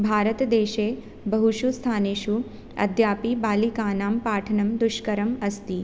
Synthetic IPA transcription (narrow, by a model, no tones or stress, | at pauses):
bʱaːɾət̪d̪eːʃeː | bɐɦuʃust̪ʰaːneːʃu | ɐ̰d̪ʱjaːpibaːlikaːnaːmpaːʈʰɐnɐmd̪ʊʃkɐɾɐmɐst̪i